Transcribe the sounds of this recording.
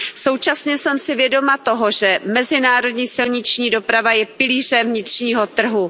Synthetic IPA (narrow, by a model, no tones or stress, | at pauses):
so̞wt͡ʃasɲɛsɛmsɪvjɛdo̞mat̪o̞ɦo̞ʒɛmɛzɪnaːɾo̞dɲiːsɪlɲɪt͡ʃɲiːdo̞pɾavajɛpɪliːrɛmvɲɪt̪r̝̥ɲiːɦo̞t̪r̩ɦu